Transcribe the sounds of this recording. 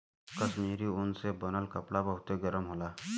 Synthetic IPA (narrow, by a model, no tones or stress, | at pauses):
kəsmiɾiunsebənəlkəpɽabəɦut̪eɡəɾəmɦola